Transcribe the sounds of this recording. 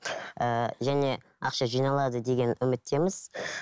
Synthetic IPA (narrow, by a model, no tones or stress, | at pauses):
əʒæne̞ | ɑ̰qʃɑʒijnɑlˠɑd̪əd̪e̞ɡʲe̞nʏmɪt̪ːe̞mɪz̥